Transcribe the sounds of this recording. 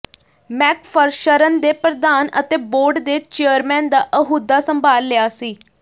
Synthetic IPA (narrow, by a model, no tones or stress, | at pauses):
mɛːkpʰəɾʃəɾənd̪eːpɾəd̪aːnə̰t̪eːboːɾɖd̪eːt͡ʃeəɾmɛ̃ːnd̪aːʔəɦuːd̪aːsəmbaːlːɪaːsiː